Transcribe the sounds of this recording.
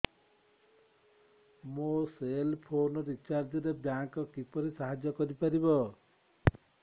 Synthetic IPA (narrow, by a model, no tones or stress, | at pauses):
moselpʰonɔɾit͡ʃaɾd͡ʒɔɾebjaŋkɔkipɔɾisaɦad͡ʒjɔkɔɾipaɾibɔ